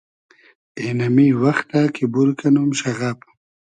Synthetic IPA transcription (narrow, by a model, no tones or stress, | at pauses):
enamiwaxt̪akibuɾkanumʃaɣap